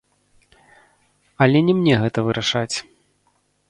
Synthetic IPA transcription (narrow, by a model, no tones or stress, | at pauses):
ɐlʲɛnʲɛmnʲɛɣɛt̪ɐvɨɾʔaʂat͡sʲ